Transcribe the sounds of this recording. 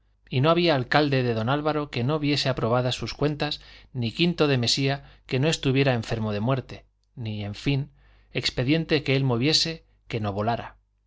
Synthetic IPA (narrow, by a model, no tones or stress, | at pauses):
ino̞aβiaːlkald̪e̞ðe̞ðo̞nalβaɾo̞ke̞no̞βje̞se̞apɾo̞β̞aðasuskwe̞nt̪asnikint̪o̞ðe̞me̞siake̞no̞e̞st̪uβje̞ɾae̞ɱfe̞ɾmoð̞e̞mwe̞ɾt̪e̞ | nie̞ɱfin | e̞kspe̞ðje̞nt̪e̞ke̞elmoβje̞se̞ | ke̞no̞βo̞laɾa̰